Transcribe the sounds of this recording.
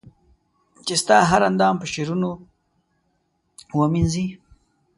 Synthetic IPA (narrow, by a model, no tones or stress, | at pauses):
t͡ʃest̪ɑːɦaɾand̪ɑːmpəʃeɾuno | wəminzi